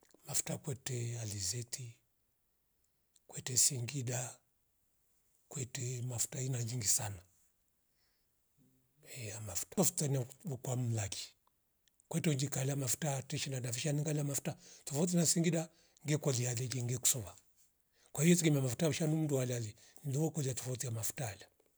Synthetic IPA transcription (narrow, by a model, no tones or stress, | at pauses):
mafu̥takwɛtɛalizɛtʰi | kwɛtɛsiŋɡiɗa | kwɛtɛmafu̥tainaɲiŋɡisana | ɛamafu̥taɔfu̥tanaɔkwam̩laki̥ | kwɛtɛɔɲd͡ʒikalamafu̥tatɛʃinadafiʃaniŋɡalamafu̥tatɔfaut̬inasiŋɡiɗa | ŋɡɛkɔlialɛliŋɡɛku̥sɔβa | kwahijɔtiɡimamafu̥tauʃanum̩ndualalɛ | nliwɔkɔliatɔfautijamafu̥taala